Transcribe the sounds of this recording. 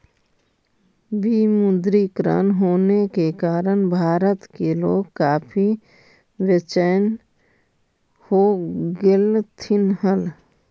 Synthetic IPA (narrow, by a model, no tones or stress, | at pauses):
biːmʊd̪ɾikɾa̰ːnɦoːnekekaːɾənbʱaːɾət̪keloːɡkaːpʰi | wjət͡ʃən | hoːɡelt̪ʰɪnɦəl